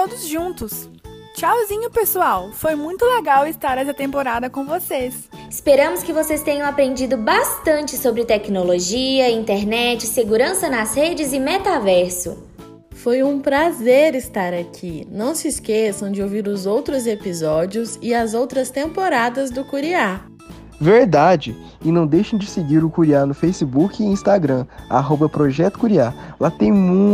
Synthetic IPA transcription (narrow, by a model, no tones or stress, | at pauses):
od̪ʊzʒũnt̪ʊs | t͡ʃawzĩɲʊpesuawfojmũj̃t̪ʊleɡawɪst̪aɾɛsɐt̪ẽmpoɾad̪ɐkõw̃voses | ɪ̥speɾɐ̃mʊskɪvosest̪ẽɲɐ̃w̃apɾẽnd͡ʒid̪ʊbast̪ɐ̃nt͡ʃɪsobɾɪt̪ɛknoloʒiɐĩnt̪ɛɾnɛt͡ʃɪseɡuɾɐ̃sɐnɐzhed͡ʒɪzɪmɛt̪avɛɾsʊ̰ | fojũpɾazeɾɪst̪aɾakʰinɐ̃w̃sɪːskesɐ̃w̃d͡ʒɪowviɾʊzowt̪ɾʊzepizɔd͡ʒiʊzɪɐzowt̪ɾɐst̪ẽmpoɾad̪ɐzd̪ʊkuɾia | veɾd̪ad͡ʒɪ | ɪnɐ̃w̃d̪ejʃẽd͡ʒɪsɪɡiɾʊkuɾianʊfejsibukɪĩst̪aɡɾɐ̃a̰ɦobɐpɾoʒɛt̪ʊ̥kuɾialat̪ẽj̃mũ